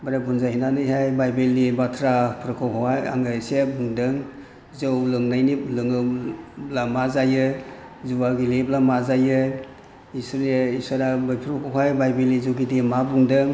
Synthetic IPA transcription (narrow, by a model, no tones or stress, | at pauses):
baɾabʰunzahinanɯjɦajbajbelːibatʰɾapʰɾɯkʰɔwɦʰahaja̰ŋɯsebuŋdɯŋ | zɯwlɯŋnajniplɯŋɯblamazajɯ | zuwaɡileblamazajɯ | isɯɾeisaɾabɯjpʰɾukʰɔwɦajbajbelːizɯwɡidimabuŋdɯŋ